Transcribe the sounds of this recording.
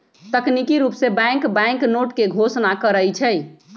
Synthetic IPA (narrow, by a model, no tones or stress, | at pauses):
t̪əknikiɾupsebɛ̃ŋkbɛ̃ŋknoʈkeɡʱosnakəɾəjt͡ʃʰɛj